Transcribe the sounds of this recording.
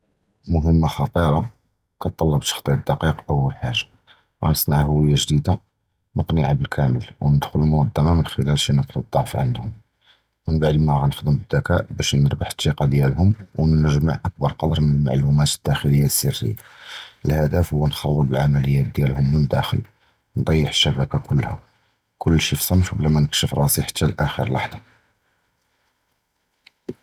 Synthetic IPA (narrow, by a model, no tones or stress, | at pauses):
mʊɦəmːaxɑt̪ˤiɾˤɑ | kɑt̪ˤːɑlːɑbt̪ɑ̥xt̪ˤiɾd̪ːɑqiqʔəwːəlħaʒːḁ | ɣæ̰nəsˤnaʕhʊwəjːaʒd̪id̪a | nəqniʕabəlkʰæməlwnəd̪xʊləlmʊɑd̪ːæmamənxəlælʃinəqld̪ˤːɑʕfʕə̰nd̪hʊm | mənbaʕd̪imæɣænəxd̪əmbəd̪ːækæʔbæʃnəɾbaħt̪ˤːiqɑd̪jælɦʊmwnəʒma̰ʕʔæk̚bɑɾˤqɑd̪ɾˤmənəlma̰ʕlumæt̪əd̪̥ːæxələjːasːərːə̰jːaʔəlhæd̪æfhʊwːænxɑwːəlbəlʕamæləjːæd̪jælhʊmwənəd̪æ̰xə̰l | wnd̪ˤɑjːəħʃːæbækakʊlːhæ̰ | kʰʊlːʃifsˤɑnfblæmænəkʃəfɾˤɑsiħḁt̪ːælʔæxḭɾlwɑ̰ħd̪ˤɑ